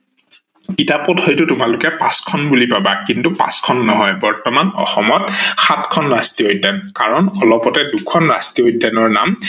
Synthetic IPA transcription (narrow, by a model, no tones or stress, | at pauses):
kitapɔthɔjtʊtʊmalʊkɛpaskʰɔnbulipabakintupa̰skʰɔnːɔɦɔjbɔɹtɔmanɔ̰xɔmɔtxatkʰɔnɹastiojdʱanka̰ɹɔnɔlɔpɔtɛdukʰɔnɹa̰stiojdʱːanɔɹna̰m